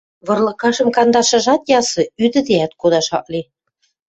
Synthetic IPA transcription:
βɤ̆rlɤ̆kɑʒɤ̆mkɑnd̪ɑʃɤ̆ʒɑt̪jɑsɤ̆yd̪ɘ̆d̪eæt̪̚kod̪ɑʃɑ̰k̚li

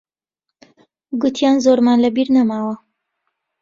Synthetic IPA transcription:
ɡʊt̪ʰjaːnzoɾmaːnlɐbiːɾnɐmaːwɐ

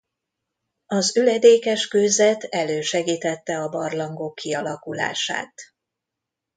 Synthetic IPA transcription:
ɒzylɛd̪eːkɛʃkøːzɛt̪ɛløːʃɛɡiːt̪ɛt̪ːɛɒbɒrlɒŋɡokːiɒlɒkula̰ːʃa̰ːt̪

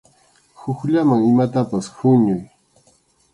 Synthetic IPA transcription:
hʊxʎamaŋɪmat̪apashʊɲʊj

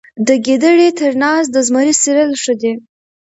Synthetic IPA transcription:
d̪əɡed̪əɽet̪əɾnɑsd̪əzməɾisiɾəlʂəd̪e

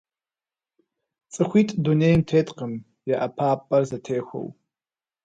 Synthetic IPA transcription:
t͡sʼɨxʷiːtʼduneːjmtʰeːtʼqəm | jɛʔɐpʰaːpʼɐrzɐtʰeːxʷo̰w

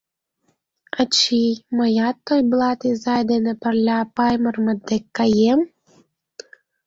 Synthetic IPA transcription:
ɑt͡ɕiməjɑt̪ːojblˠɑt̪ʲezɑjd̪enepərlʲapɑjmərmə̆d̪ekːɑjem

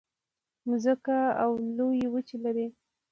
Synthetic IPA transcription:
mʊzəkaawlojewət͡ʃilaɾi

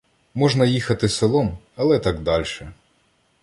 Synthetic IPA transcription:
mɔʒnɐjixɐt̪ɪselˠɔm | ɐlˠɛt̪ɑɡd̪ɑlʲʃɛ

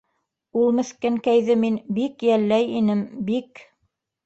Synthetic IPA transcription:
ulˠmɘ̆θkɘŋkæjðɘminbikjælːæjinɘmbik

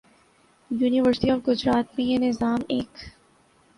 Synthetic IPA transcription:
juːniʋəɾsʈiɔːʋɡʊd͡ʒɾaːt̪̚mẽjenɪzaːmeːk

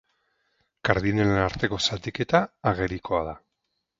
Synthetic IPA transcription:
kaɾðinelenaɾt̪e̞ko̞sat̪ike̞t̪aːɣe̞ɾiko̞aða

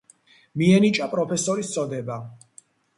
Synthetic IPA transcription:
miɛnit͡ʃʼapʼɾɔpʰɛsɔɾist̪sʰʼɔd̪ɛba

